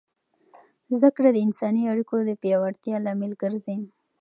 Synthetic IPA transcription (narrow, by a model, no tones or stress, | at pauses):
zd̪akɽad̪əɪnsɑniaɽikod̪əpjɑwaɽt̪jɑlɑmɪlɡəɾzem